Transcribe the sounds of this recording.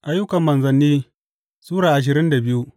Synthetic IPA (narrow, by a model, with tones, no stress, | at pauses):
ʔa˦jːʊ˦kɐ˨mːɐ˨nzɐ˨nːiː˦ | suː˦ɽaː˨ʔa˨ʃ̬ɪ˨ɾɪ˦nda˨bɪ˦ju˦